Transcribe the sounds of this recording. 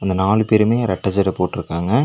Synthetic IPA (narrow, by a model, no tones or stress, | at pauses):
ɐnd̪ɐnaːlɯpeːɾɯmeːɾɐʈːɐt͡ʃɐɾɐpoːʈːɪɾɯkːaːŋɡɐ